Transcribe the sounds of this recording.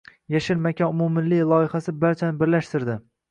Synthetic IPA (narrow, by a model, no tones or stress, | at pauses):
jaʃɪlmakʲaʊmumɪllːɪjlˠɒjɪhasɪbaɾt͡ʃʰanɪbɪɾlaʃt̪ɪɾd̪ɪ